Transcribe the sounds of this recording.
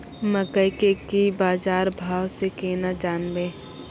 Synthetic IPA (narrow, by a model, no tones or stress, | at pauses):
məkəjkekibaːd͡ʒaːɾbʱaːwsekeːnad͡ʒaːnbẽː